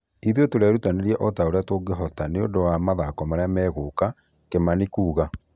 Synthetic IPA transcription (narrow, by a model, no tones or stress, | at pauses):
iðjotoɾɛɾutaneɾiɛʔɔtaoɾeatoɡeɦɔtaneodowamaðakɔmaɾaamɛːɣoka | kemanikuːɣa